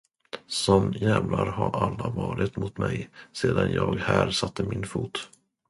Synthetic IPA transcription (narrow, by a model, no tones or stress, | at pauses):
sɔmjɛvlaɾɦaɾalːavɑːɾɪt̪mʊt̪mɛjseːd̪anjɑːɡhæːɾsat̪ʰːəmɪnfuːt̪